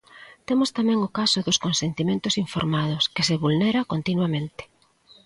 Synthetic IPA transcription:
t̪emʊst̪amɛ̃ŋʊkasʊðoskonsent̪imẽnt̪ʊsiɱfo̰ɾmað̞ʊskeseβulneɾakont̪inwamẽnt̪ɪ̥

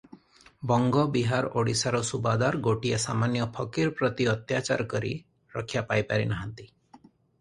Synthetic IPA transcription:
bɔŋɡɔbiɦaɾoɽisaɾɔsubad̪aɾɡoʈiasamanjɔpʰɔkiɾpɾɔt̪iɔt̪jat͡ʃa̰ɾɔkɔɾḭ | ɾɔkʰːjapajpaɾinaɦant̪i

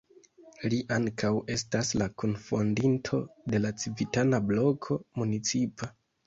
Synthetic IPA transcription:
liʔaŋkʰawe̞staslakonfo̞ndintʰo̞de̞lat͡sivitanablo̞kʰo̞munit͡sipʰa

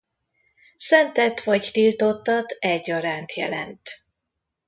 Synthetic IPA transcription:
sɛnt̪ɛt̪ʋɒct̪ilt̪o̞t̪ːɒt̪ɛɟːɒɾaːnt̪jɛ̰lɛ̰nt̪

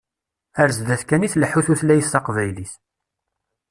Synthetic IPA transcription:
æɾzd̪æθkæniθləħuθuθlæjəst̪ɑqvæjliθ

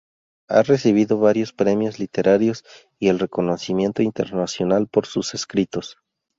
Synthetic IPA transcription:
a̰re̞siβ̞iðo̞βaɾjo̞spɾe̞mjo̞zlit̪e̞ɾʔaɾjo̞s | ie̞lre̞ko̞no̞simje̞nt̪o̞int̪e̞ɾnasjo̞nalpo̞ɾsuse̞skɾit̪o̞s

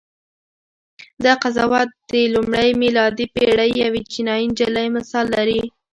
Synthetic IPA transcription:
d̪əqazɑwɑt̪̚d̪əlumɽəjmɪlɑd̪ipeɽəjːawet͡ʃinɑjind͡ʒaləjmasɑlːaɾi

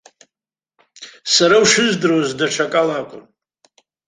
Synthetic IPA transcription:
saɾawʂɨzdɨɾozdaʈ͡ʂʰakʼalaːkʷʼʊ̰n

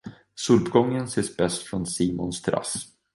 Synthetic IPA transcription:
sɵlpɡɔŋːənseːsbɛst̪fɾɔnsiːmʊnst̪ʰɾa̰s

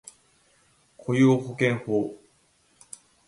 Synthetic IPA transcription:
kʰojohokẽɰhoː

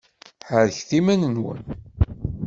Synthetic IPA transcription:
ħəɾçθimænənwə̰n

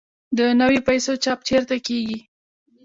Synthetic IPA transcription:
d̪ənawepajsot͡ʃɑp̚t͡ʃeɾt̪akeɡi

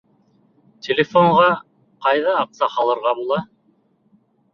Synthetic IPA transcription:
tʲʰelʲɪfoɴʁɑ | qɑjðɑːqsɑχɑlˠɤ̆ɾʁɑbulˠɑ

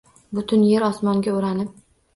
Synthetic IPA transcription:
bʊt̪ʰʊnjeɾɒsmɒŋɡʲaʊɾanɪp̚

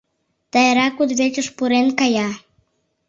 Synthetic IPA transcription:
d̪̥ɑjeɾɑkud̪βet͡ʃəʃpuɾenkɑjɑ

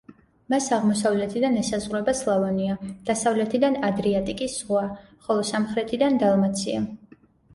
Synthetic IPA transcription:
masaʁmɔsavlɛt̪ʰid̪anɛsazʁɾɛbaslˠavaniad̪̥asavlɛt̪ʰid̪anad̪ɾiat̪ʼikʼisz̥ʁwa | χɔlˠɔsamχɾɛt̪ʰid̪and̪alˠmat̪sʰia

